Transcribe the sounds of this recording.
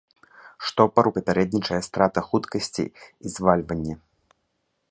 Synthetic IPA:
ʂt̪ɔpɐɾupʲɐpʲaɾɛd̪nʲit͡ʂɐjɐst̪ɾat̪ɐxut̪kɐsʲt͡sʲḭizvalʲvɐnʲːɛ

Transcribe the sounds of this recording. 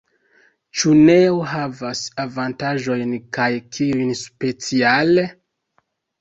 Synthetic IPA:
t͡ʃune̞oɦavasavantaʒo̞jnkajkʰiujnspe̞t͡siale

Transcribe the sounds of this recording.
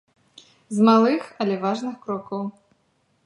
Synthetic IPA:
zmalˠɨxɐlʲɛvaʐnɨxkɾɔkɐw

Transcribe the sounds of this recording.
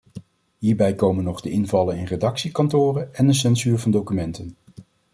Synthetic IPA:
ɦiːɹbɛjkowmənːɔχdəɪnvɑlənɪnredɑksikɑntʊːrənɛndəs̬ɛnzyːɹvɑndowkymɛntən

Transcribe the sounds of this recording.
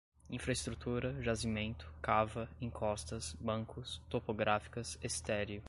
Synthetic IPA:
ĩfɾɐest̪ɾut̪uɾɐʒazimẽnt̪ʊ̥kavɐẽŋkʰɔst̪ɐsbɐ̃ŋkʊst̪opoɡɾafi̥kɐsest̪ɛɾiʊ

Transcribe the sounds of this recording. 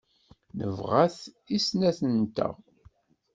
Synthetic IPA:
nə̰vʁaθ | isnæθənt̪æ̰

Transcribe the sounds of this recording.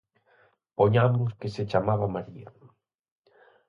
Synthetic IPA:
poɲamʊskeset͡ʃamaβ̞amaɾia̰

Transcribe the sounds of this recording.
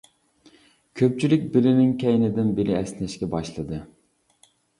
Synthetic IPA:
kʲʰøp̚t͡ʃʰylykʲbɪlɪnɪŋkʲɛjnɪd̪ɪnbɪlɪɛsnɪʃkʲɛbɑʃlˠɨd̪ɨ

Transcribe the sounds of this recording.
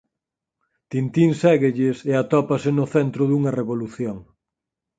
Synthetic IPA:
t̪int̪insɛɣeʎɪseat̪ɔpasenʊθɛnt̪ɾʊðuŋɐreβoluθjoŋ

